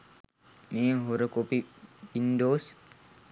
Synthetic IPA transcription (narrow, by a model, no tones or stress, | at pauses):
meːɦoɾəkopiʋindoːs